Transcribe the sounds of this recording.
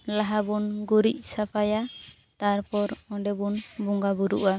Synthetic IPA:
laɦabunɡuɾic̚ˀsapʰaja | t̪aɾpɔɾɔ̃ɖɛbunbuŋɡabuɾṵʔa

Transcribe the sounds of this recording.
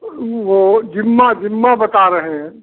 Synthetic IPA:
ʋod͡ʒimːad͡ʒimːabət̪aɾəɦẽ

